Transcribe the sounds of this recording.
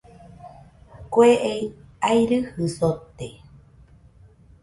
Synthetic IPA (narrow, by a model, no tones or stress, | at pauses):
kweʔeiajɾɨhɨsot̪e